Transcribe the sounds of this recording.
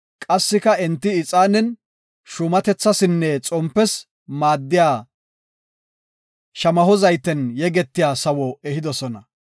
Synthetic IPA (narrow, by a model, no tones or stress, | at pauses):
kʼɐsːɪkɐɛnt̪ːɪɪt͡sʼaːnɛn | ʃʊmɐt̪ɛt͡sːɐsɪnːɛt͡sʼɔmpːɛs | maːd̪ːɪjaː | ʃɐmɐhɔzɐjt̪ɛnjɛɡɛt̪ːɪjaːsɐwɔɛɦɪd̪ɔsɔnɐ